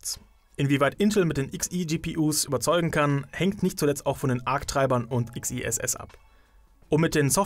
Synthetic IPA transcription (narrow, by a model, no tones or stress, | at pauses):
t͡s | ʔɪnviːvaɪtʔɪntl̩mɪt̚d̥eːnʔɪksid͡ʒiːpiːʔuːsʔy̰ːbɐt͡sɔʏɡŋ̩kʰanhɛŋktnɪçt̚t͡sulɛt͡staʊxfɔndeːnʔaɐktʁ̥aɪbɐnʊntɪksiʔɛ̰sʔɛ̰sʔa̰p | ʔʊmːɪt̚d̥eːnsɔf